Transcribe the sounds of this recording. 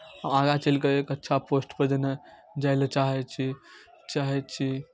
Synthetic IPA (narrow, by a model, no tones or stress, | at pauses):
aaɡat͡ʃəlkəekətːʃʰaposʈpəd͡ʒəne | d͡ʒajlət͡ʃaɦɛt͡ʃʰi | t͡ʃaɦɛt̪t͡ʃʰi